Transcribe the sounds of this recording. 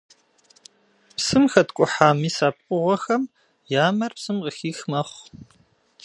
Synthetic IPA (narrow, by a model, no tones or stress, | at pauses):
psɨmxɐtkʷʼʊħaːmiːsaːp̚qʷʼʊʁʷɔxɐm | jaːmɐrpsɨmqəxiːxmɐχʷ